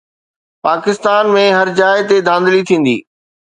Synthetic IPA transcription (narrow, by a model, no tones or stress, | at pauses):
paːkɪst̪aːnmẽɦɐɾd͡ʑaːɪt̪ed̪ʱãːnd̪lit̪ʰĩːn̆d̪ḭː